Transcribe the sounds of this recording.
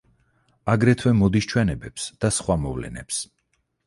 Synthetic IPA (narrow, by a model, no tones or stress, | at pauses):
aɡɾɛt̪ʰwɛmɔd̪ist͡ʃʰwɛnɛbɛpsd̪̥asχwamɔ̰vlɛ̰nɛ̰ps